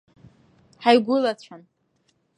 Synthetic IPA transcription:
ħajɡʷʊlat͡ɕʷʰan

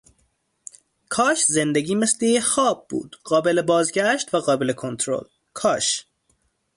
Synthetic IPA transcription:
kʰɒːʃzend̪eɟiːmeslejexɒːb̚ːṵːd̪̥ɢ̥ɒːbe̞lebɒːzɟæʃt̪væɣɒːbelekʰo̞nt̪ʰɾo̰l | kʰɒːʃ

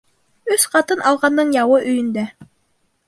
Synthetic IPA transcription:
ɵsqɑt̪ɤnʔɑlˠʁɑnd̪ɤɴjɑwɤʔɵ̆jɵ̆nd̪æ

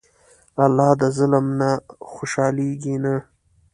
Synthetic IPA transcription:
alːɑːd̪əzʊlmnaxoʃɑːliɡina

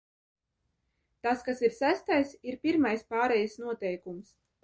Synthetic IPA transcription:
t̪askasiɾsæst̪ajsiɾpʲiɾmajspaːɾɛjsnuɔt̪ɛjkums

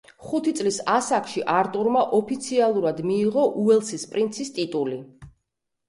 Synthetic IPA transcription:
χut̪ʰit̪sʼlisasakʰʃiʔaɾt̪ʼuɾmaʔɔpʰit̪sʰialˠuɾad̪miːʁɔʔuɛlˠsispʼɾint̪sʰist̪ʼit̪ʼuli

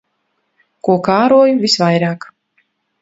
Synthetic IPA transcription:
kuɔkaːɾuɔjuvʲisvajɾaːk

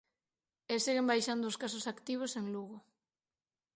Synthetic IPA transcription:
esiɣembajʃand̪ʊoskasosakt̪iβ̞oseŋluɣo

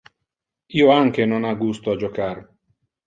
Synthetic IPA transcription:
iːoaŋk̟enonaɡust̪oad͡ʒokar

